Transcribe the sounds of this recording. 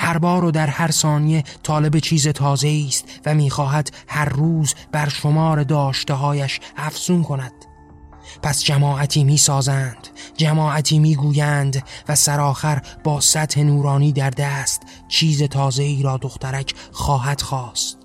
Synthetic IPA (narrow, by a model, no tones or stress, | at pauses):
hæɾbɒːɾɔd̪æɾhæɾsɒːnije̞t̪ʰɒːle̞bet͡ʃʰiːze̞t̪ʰɒːze̞iːst̪væmiːxɒːɦæd̪̥hæɾːuːzb̥æɾʃo̞mɒːɾe̞d̪ɒːʃt̪eɦɒːjæʃæfz̥unkʰo̞næd̪̥ | pʰæsd͡ʒæmɒːʔæt̪ʰiːmiːsɒːzænd̪̥d͡ʒæmɒːæt̪ʰiːmiːɡuːjænd̪væsæɾɒːxæɾbɒːsæt̪he̞nuːɾɒːniːd̪æɾd̪æːst̪ | t͡ʃʰiːze̞t̪ʰɒːze̞iːɾɒːd̪o̞xt̪ʰæɾæcʰχɒːɦæd̪̥xɒːst̪